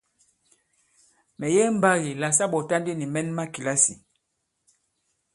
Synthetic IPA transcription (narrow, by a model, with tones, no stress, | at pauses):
mɛ˨jɛ˦m̩˨ba˦ɣi˨la˨s̬a˦ɓɔ˨ta˦ndi˦ni˨mɛ˦nma˦ki˨la˦si˨